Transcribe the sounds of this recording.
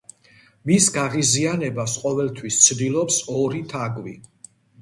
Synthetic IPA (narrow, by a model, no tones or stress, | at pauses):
misɡaʁizianɛbasqʼɔvɛlt̪ʰwist̪sʰd̪ilˠɔpsɔɾit̪ʰaɡʼvi